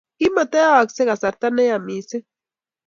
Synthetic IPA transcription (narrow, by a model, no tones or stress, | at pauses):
kimat̪eaakseɢasaɾt̪anejamise